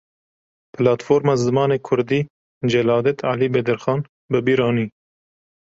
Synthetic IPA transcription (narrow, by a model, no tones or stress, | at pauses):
pɨlɑːt̪foːɾmɑːzɨmɑːneːkʰʊɾd̪iː | d͡ʒɛlɑːd̪ɛt̪ʰɑːliːbɛd̪ɨɾxɑːn | bɨbiːɾɑːniː